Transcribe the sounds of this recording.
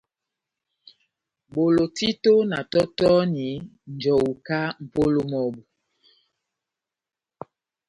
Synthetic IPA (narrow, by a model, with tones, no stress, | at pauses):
ɓo˨lo˨ti˦to˦na˨tɔ˦tɔ˦ni˨˦n̩˨d͡ʒɔ˨wu˨ka˦m̩˨po˦lo˦mɔ˨bu˨